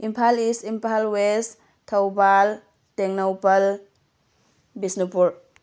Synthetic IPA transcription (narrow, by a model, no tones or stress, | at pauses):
impʰalisimpʰalwes | tʰɐwbal | teŋnowpɐl | bisnupuɾ